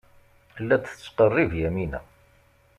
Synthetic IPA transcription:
lːæd̪ət͡sːqərˤːivjæminæ̰

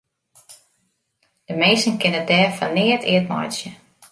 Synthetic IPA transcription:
d̥əmejsn̩kɪnədɛːfɔnːɪətʰɪ̰ət̚mɔ̰jtsjə

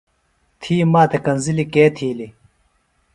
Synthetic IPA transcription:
t̪ʰiːmaːt̪ekɐnzilikeːt̪ʰiːli

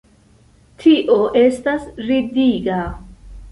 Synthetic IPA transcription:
tʰiʔoʔestasɾidiɡa

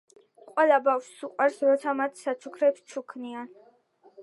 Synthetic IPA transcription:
qʼwɛlˠabafʃsuqʼwaɾsɾɔt̪sʰamat̪ʰsat͡ʃʰukʰɾɛpst͡ʃʰukʰnian

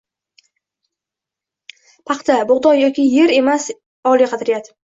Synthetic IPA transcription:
pʰɑqt̪ʰabʊʁd̪ɒjɒkʲʰɪje̞ɾe̞mas | ɒliqʰɑt̪ʰɾɪjad̪

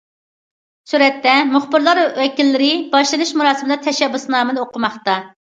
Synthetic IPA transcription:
suɾɛt̪ːɛmʊχbɪɾlˠɑɾwɛkʲilːɪɾɪbɑʃlˠɨnuʃmuɾɑːsɪmɨlˠɨt̪ʰɛʃɛbːusnɑːmɨnɨoqʰʊmɑχt̪ɑ

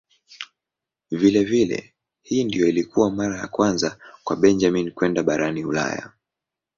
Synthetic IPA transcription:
vilɛvilɛ̰ | hiːndijɔilikuwamaɾaja̰kwanzakwaɓɛnd͡ʒaminkwɛndaɓaɾaniula̰ja̰

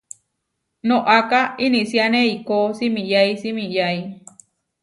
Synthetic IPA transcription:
nõʔakainĩsianẽikosimĩjaisimĩjai

